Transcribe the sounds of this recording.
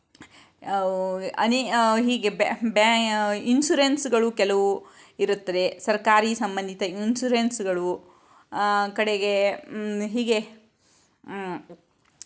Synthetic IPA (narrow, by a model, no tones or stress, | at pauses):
ɐniɦiːɡebbainsuɾensɡɐɭukɛlɐʋu | iɾut̪ːɐd̪e̞sɐɾkaːɾiːsɐmbɐnd̪ʱit̪ɐinsuɾensɡɐɭu | kɐɽeɡe | ɦiːɡe